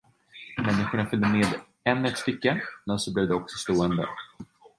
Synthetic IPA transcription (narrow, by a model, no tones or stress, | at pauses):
mɛnːɪɧʊɳafʏld̪əmeːd̪ | ɛnːɛt̪sfɪkːəmɛnsɔblɛːvd̪ɛɔksɔst̪oːənd̪ə̰